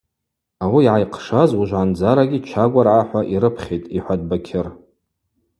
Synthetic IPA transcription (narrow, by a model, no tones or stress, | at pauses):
awiːʕajqʰʂazuʒʷʕand͡zaɾaɡʲit͡ʃʰaɡʷʼarʕaħʷaʔiɾɨpʰχʲejtʼiħʷad̚bakʲʰɪr